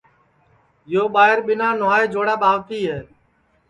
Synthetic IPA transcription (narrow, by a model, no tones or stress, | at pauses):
joːɓaːɦɪɾɓɪnaːnʊaːeːd͡ʒoːɽaːɓaːʋt̪iːɦeː